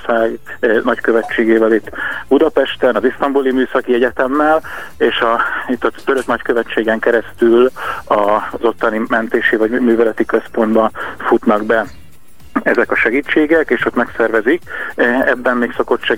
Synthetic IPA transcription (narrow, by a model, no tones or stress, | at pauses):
saːɡnɒckø̞vɛt͡ʃːeːɡeːvɛlit̪ːb̥ud̪ɒpɛʃt̪ɛnɒzist̪ɒmbulimyːsɒkiɛɟɛt̪ɛmːɛleːʃɒit̪ːɒt̪øɾø̞knɒckøvɛt͡ʃːeːɡɛŋkɛɾɛst̪ylɒzo̞t̪ːɒnimɛnt̪eːʃivɒɟmyːvɛlɛt̪ikø̞spo̞nd̪bɒfut̪nɒɡbɛ | ɛzɛkɒʃɛɡiːt͡ʃːeːɡɛkeːʃo̞t̪mɛksɛrvɛzikɛbːɛnmeːkso̞ko̞t̪ʃɛ